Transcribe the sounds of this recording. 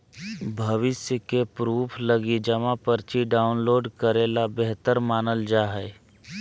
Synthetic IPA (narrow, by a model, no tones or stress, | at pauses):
bʱɐʋɪsjəkepɾuːpʰləɡid͡ʒəmãpəɾt͡ʃiɖaːʊnloːɖkəɾeːlabeɦt̪əɾmaːnəld͡ʒaːɦɛ